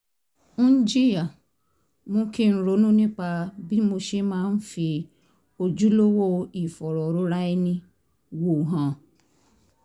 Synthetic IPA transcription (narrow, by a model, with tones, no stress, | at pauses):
nĩ˦n̩˦d͡ʒi˦i˦a˨ | mũ˦ki˦˨n̩˨ɾo˨˦nũ˦nĩ˦k͡pa˧bi˦mo˧ʃe˦mãː˦n̩˦fi˧ | o˧d͡ʒu˦lo˦wo˦i˨fɔ˨ɾɔ˨ɾo˦ɾa˦i˦nĩ˦ | wo˨ɦã˨